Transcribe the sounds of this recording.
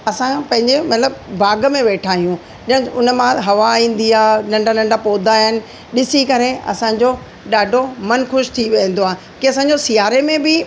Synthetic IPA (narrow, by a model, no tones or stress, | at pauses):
ɐsãpɐ̃ɦɪ̃ɲd͡ʑemɐt̪ləbbʱaːɡəmẽʋeːʈʰaːɦijũ | ɪ̃ɪ̃ʊnəmãɦɐʋaĩːn̆d̪iaːnɐ̃ɳɖanɐ̃ɳɖapoːd̪ʱaɦɪnɪ̆ | ɗɪsikɐɾeɐ̰sãɲ̆d͡ʑo | ɗaːɖʱomɐnxʊʃt̪ʰiʋiə̃n̆d̪oɦaː | kiɐsãːɲ̆d͡ʑosijaːɾemẽbɪ